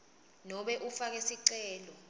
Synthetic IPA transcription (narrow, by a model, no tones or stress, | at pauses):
nɔɓɛʔufak̬esiǀɛːlɔ